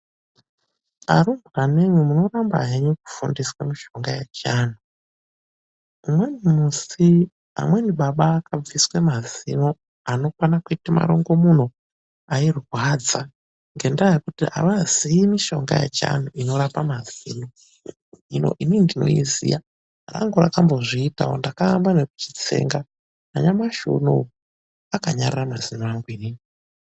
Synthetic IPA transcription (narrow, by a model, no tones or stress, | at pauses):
a̰ɾumbaneɲwimuno̞ramba̰ɦeɲuku̥fundiswamiʃoŋɡajet͡ʃaːn̤u | umwenimusi | a̰mweniɓaɓaːkab͡viswemazḭno | ano̞kwanakitima̰ɾoŋɡo̞mun̤o | airwad͡za | ŋɡe̞ndajekutia̰ʋaziimiʃo̞ŋɡa̰jḛt͡ʃa̰n̤uʔino̞ɾapamazino | ino̰ʔinindino̞̰izḭja | ra̰ŋɡoɾa̰kamboʐiːta̰ondakaːmbaneku̥t͡ʃi̥t͡sḛːŋɡa | aɲamaʃṵno̰ | akaɲariramazinoaŋɡuinini